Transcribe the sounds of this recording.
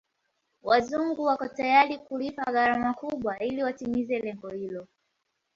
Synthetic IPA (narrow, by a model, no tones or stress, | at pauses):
wazuŋɡuwakɔtajaɾikulipaɣaɾamakuɓwailiwatimizɛlɛŋɡɔhilɔ